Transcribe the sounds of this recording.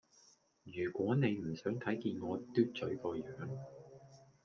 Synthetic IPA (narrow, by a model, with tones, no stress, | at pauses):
jyː˨˩kʷɔː˨˥ne˨˧jm̩˨˩sœː˨˥ŋt̪ʰɐ˨˥jkiː˧nŋɔː˨˧t̪yː˥t̚t͡ʃɵ˨˥ɥkɔː˧jœː˨˥ŋ